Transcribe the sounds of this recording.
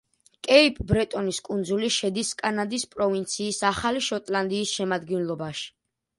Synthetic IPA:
kʼɛipʼbɾɛt̪ʼɔniskʼund̪zuliʃɛd̪iskʼanad̪ispʼɾɔvint̪sʰiːsaχaliʃɔt̪ʼland̪iːsʃɛmad̪ɡɛnlˠɔbaʃi̥

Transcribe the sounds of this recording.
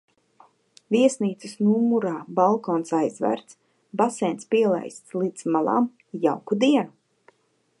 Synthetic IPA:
viɛsniːt̪sɨsnumuɾaːbalˠkɔːnsajzvæ̰ːɾt̪s | basɛːnspiɛlˠa̰jst̪slˠiːd̪zmalˠa̰m | jawkud̪iɛnu

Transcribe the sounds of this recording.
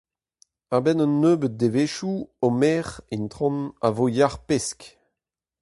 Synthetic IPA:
abɛnɔ̃nːøːbət̪̚d̪eveːʃuɔmɛːʁint̪ʁɔ̃navojaʁpɛsk

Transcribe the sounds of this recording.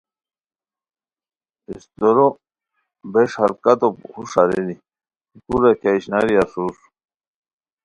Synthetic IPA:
ist̪oɾo | beʂhaɾkat̪ophuʂaɾeni | kuɾakaiɕnaɾiasus

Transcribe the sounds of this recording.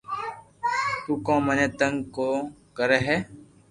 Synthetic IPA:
t̪uːkãːmənẽːt̪əŋɡkoːkəɾeːɦɛː

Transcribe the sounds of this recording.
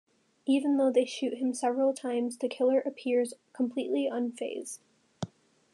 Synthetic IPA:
ivɨ̃n̩ðoʊðeɪʃʉʔ̚ɦɨ̃msɛvɹl̩ˠtʰãɪ̃mzðɨkʰɪlˠə˞ʔɨpʰɪɹz̥kʰmpʰl̥iʔliə̃nfeɪzd̥

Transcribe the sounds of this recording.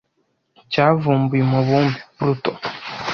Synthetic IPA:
cavuːmbuimuβuːmbipuɾutɔ

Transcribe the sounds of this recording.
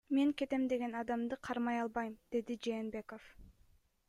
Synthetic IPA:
me̞ŋke̞t̪e̞md̪e̞ɡe̞nɑd̪ɑmd̪ɯqʰɑɾmɑjɑlˠbɑjmd̪̥e̞d̪id͡ʒe̞ːnbe̞ko̞f

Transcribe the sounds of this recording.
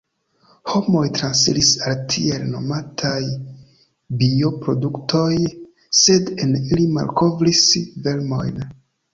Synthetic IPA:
ho̞mo̞jtɾansḭlisaltʰḭelno̞̰matʰaj | bio̞pɾo̞duktʰo̞j | se̞denilima̰lko̞vɾisvelmo̞̰jn

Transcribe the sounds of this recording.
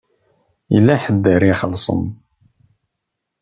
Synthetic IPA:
jə̰lːæħəd̪ːəɾiχəlːsˤə̰n

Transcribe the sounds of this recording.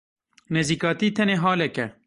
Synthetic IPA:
neziːkɑːt̪iːt̪ʰɛneːɦɑːlɛkɛ

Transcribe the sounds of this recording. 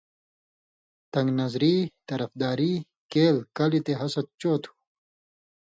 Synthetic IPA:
t̪ɐŋɡnɐzɾit̪ɐɾɐfd̪aːɾi | keːlkɐlit̪eɦɐsɐt̪̚t͡ɕoːt̪ʰu̥

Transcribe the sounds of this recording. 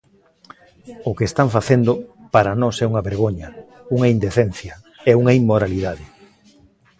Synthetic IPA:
ʊkeːst̪aɱfaθend̪ʊpaɾanɔsɛuŋɐβeɾɣ̞oɲɐ | uŋɐind̪eθɛn̟θjɐ | ɛuŋɐimːoɾaliðaðɪ

